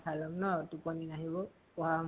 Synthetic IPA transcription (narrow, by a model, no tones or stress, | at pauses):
pʰalɔmnɔtupɔninaɦibɔ | pɔɦa